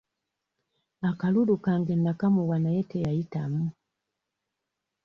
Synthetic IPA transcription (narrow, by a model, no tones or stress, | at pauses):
akalulukaŋɡɛnakamuwanajɛtɛjajitamu